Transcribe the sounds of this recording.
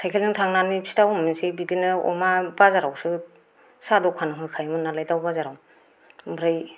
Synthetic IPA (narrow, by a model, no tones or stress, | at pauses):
tʰajkʰelɯŋtʰaŋnanipʰi̥tawmɯnsebidinɯɔ̰mabazaɾawsɯ | sadɔkʰanɯɦɯjkʰajmɯnalajdawbazaɾaw | mbɾɯj